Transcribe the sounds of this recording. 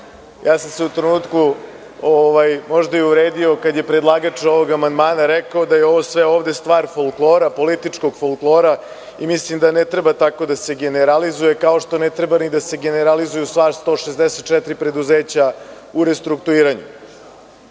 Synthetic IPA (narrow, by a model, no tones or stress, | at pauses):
jʔaːsamseut̪ɾenuːt̪ku | oʋajmo̞ʒd̪aiuɾeːd̪io̞kad̪je̞pɾed̪lˠaːɡat͡ʂo̞ʋo̞ɡamand̪maːnaɾɛkaod̪ajeo̞ʋosʋeoːʋd̪est̪ʋaːɾfolˠklˠo̞ːɾapo̞lit̪it͡ʂko̞ɡfolˠklˠo̞ːɾa | imislimd̪anet̪ɾebat̪ako̞d̪ase̞ɡe̞neɾalizuje̞kao̞ʂt̪o̞net̪ɾebanid̪ase̞ɡe̞neɾalizujust̪ʋaːɾst̪o̞ːʃezd̪eset̪̚t͡ʃɛt̪ɾipɾe̞d̪uzeːt͡ɕa | uɾest̪ɾukt̪uiːɾaɲṵ